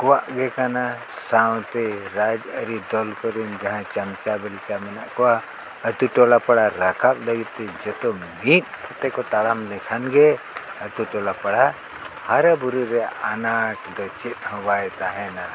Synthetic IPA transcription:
kuwaʔɡekana | saw̃t̪eɾad͡ʒɐɾid̪ɔlkɔɾind͡ʒɐɦãt͡ʃɐmt͡ʃabɛlt͡ʃamɛnaʔkɔwa | ɐt̪uʈolapɐɽaɾakʰablɐɡit̪ːid͡ʒɐt̪omit̪̚kʰɐt̪ekɔt̪alamlekʰanɡe | ɐt̪uʈolapɐɽa | haɾabuɾuɾɛanaʈd̪ɔt͡ʃit̪hɔʋajt̪aɦɛna

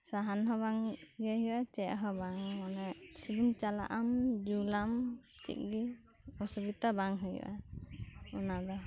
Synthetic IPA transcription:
saɦanɦɔbaŋɡɛɦiwat͡ʃɛʔɦɔbaŋmanɛsibumt͡ʃala̰ʔamd͡ʒulamt͡ʃḭk̚ɡi | ɔsubit̪abaŋɦɔj̰ʔa̰ | unada

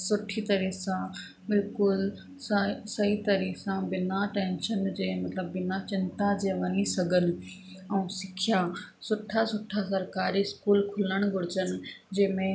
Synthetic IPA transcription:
sʊʈʰit̪ɐɾisã | bɪlkʊl | sɐɦit̪ɐɾisãbɪnaʈɛ̃ːnʃənd͡ʑeːmɐt̪ləbːɪnat͡ɕɪ̃nt̪ad͡ʑeːʋɐnisɐɡʱənɪ̆ | ɛũsɪkʰijasʊʈʰasʊʈʰasɐɾkaːɾiɪskuːlkʰʊləɽ̃ɡʱʊɽɪt͡ɕənɪ̆d͡ʑeːmẽ

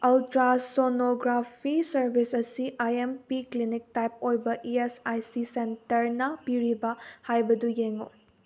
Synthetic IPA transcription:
ɐltɾasonoɡɾapʰisɐɾbʱisɐsiʔajempiklinik̚tajp̚ojbɐʔiesajsisentɐɾnɐpiɾibɐhajbɐdujeŋo̰

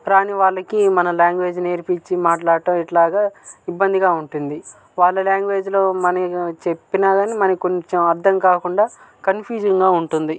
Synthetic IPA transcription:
ɾaːniʋaːɭːɐkimɐnɐljaːŋɡʋe̞ːd͡ʒne̞ːɾipit͡ʃːimaːʈlaːɽɐʈɐmiʈlaːɡaːibːɐnd̪iɡaːuɳʈund̪i | ʋaːɭːɐljaːŋɡʋe̞ːd͡ʒlo̞ːmɐnɐkt͡ʃe̞pːinaːɡaːniːmɐnɐkiko̞ɲt͡ʃemɐɾd̪ʱɐmkaːkuɳɖaː | kɐnpʰjuːd͡ʒɐŋɡaːuɳʈund̪i

